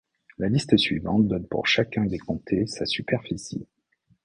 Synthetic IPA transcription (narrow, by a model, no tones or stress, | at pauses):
lalist̪əsɥivɑ̰̃t̪̚d̪ɔnpṵʁʃakʲɛ̃d̪ekɔ̃t̪ʰesasypɛʁfisḭ